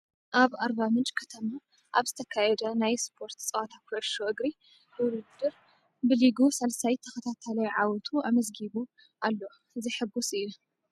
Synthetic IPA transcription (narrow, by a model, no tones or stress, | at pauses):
ʔaβaɾbamɨt͡ʃʼkʰɐt̪ʰɐma | ʔaβzɨt̪ʰɐkʰajɛd̪ɐnajspʰo̞ɾt̪t͡sʼɐwat̪ʰakʰɔʕɨʃoʔɨɡɾi | hɨwlɨd̪ɨɾ | bɨliɡusɐlsajt̪ʰɐxɐt̪ʰat̪ʰalɐjʕawɔt̪ʰuamɐzɡiβu | ʔalːo | ɨziħɨbːusɨju